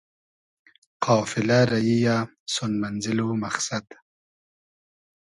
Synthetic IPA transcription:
qʰɑːfɪlaɾajija | sʊnmanzɪlumaxsad̪

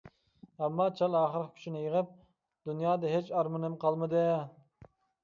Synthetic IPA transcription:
ɛmːɑːt͡ʃʰɑlˠɑːχəɾqkʲʰy̥ʃinɪjəʁəp̚ | d̪̥unjɑːd̪ɛɦet͡ʃɑɾmɨnɨmqʰɑlˠmɨd̪ɪ

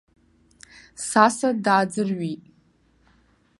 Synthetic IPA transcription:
sasadaːd͡zɨrɥitʼ

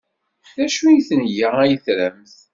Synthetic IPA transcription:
θæʃujiθənjaæjəθɾæmθ

